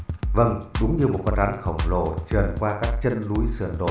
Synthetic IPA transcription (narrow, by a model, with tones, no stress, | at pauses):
və˧˩ŋɗʊ˨˦ŋ͡mɲɨ˧mo˨˩t̚kɔ˧˦˥n̚ɗa˨˦nxə̰˧˩wŋ͡mlo̰˧˩t͡ɕə˨˩nkwaː˧kaː˦˥k̚t͡ɕə˧nlu˨˦jsɨ̰˧˩ənɗo̰˧˨